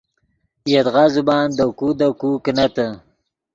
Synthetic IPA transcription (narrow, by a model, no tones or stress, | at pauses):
jat̪ɣazubɑːnd̪akud̪akuknat̪ə